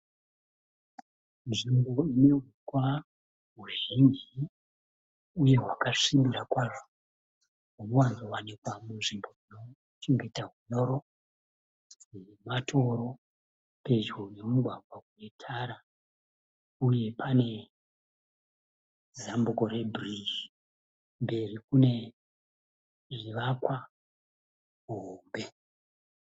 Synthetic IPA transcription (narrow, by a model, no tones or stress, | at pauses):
nʐimbo̞ineɦukwa | ɦuʒiɲd͡ʒi | uje̞ɦwakaʂimbiɾakwaʐo | ɦunowanzowanikwamunʐimbo̞ino̞ | t͡ʃeŋɡetaɦuɲoɾo̞ | ematʰo̞ɾo̞ | pe̞d͡ʒone̞muɡʱwaɡwakuetʰaɾa | uje̞pʰane̞ | zambuko̞re̞bʱriʒi | mbe̞rikune̞ | ʐiʋakwa | ɦombe̞